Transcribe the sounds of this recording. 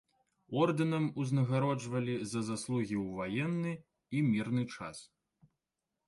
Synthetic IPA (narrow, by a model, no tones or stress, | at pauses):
ɔrd̪ɐnɐmuznɐɣaɾɔd͡ʐvɐlʲizɐzaslˠuɣʲiwvajɛnːɨ | imʲirnɨt͡ʂa̰s